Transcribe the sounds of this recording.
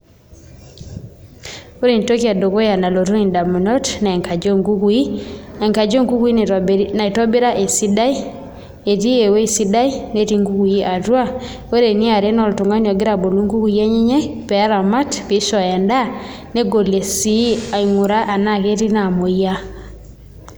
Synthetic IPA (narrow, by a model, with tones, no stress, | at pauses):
o˦ɾe˨nto˦ka˨do˨ko˦ja˨na˨lo˨tu˦i˨nda˨mu˨nɔ˦tna˨ŋka˨d͡ʒo˦˨ŋɡu˦ku˨˦i˦a˨ŋka˨d͡ʒo˦ŋku˦ki˦na˨i˨tɔ˦bi˦ɾa˦ʔe˨si˦da˦i˦ | e˨ti˦e˨we˦˨si˦da˦i˦ne˦ti˦ŋɡu˦ku˨i˦ʔa˨twa˦ | o˦ɾe˨ni˦a˨ɾe˦nɔ˨lto˨ŋa˦n˨ɔ˨ɡɪ˦ɾa˨bo˨lu˦ŋɡu˦ku˨ja˦ɲi˦ɲɛ˦pɛ˨a˦ɾa˨ma˦tke˨˦ʃɔ˨ja˨nda˦ | ne˦ɡo˨le˨si˦a˨i˨ŋu˨ɾa˦ʔa˨na˦ke˦ti˦na˨mo˨ja˦